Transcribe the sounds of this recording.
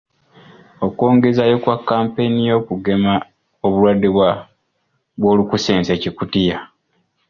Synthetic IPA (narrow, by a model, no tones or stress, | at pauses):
oko̞ːŋɡe̞zajo̞kwakːaːmpe̞nijo̞ːkuɡe̞ma | oβulwadːiβwa | βwo̞ːlukuseːnsecikutija